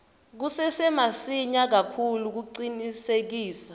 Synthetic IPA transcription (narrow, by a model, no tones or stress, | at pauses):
k̬usɛsɛmasiɲak̬akʰuluk̬uǀinisek̬iːsḁ